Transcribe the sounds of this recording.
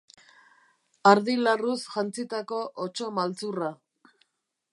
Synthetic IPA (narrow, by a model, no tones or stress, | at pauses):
aɾðilarusʝant͡sit̪ako̞ʔot͡ʃo̞malt͡sura